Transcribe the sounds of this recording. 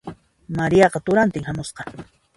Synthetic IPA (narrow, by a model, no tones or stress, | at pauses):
maɾijɑqɑt̪ʊɾant̪ɪŋhamosqɑ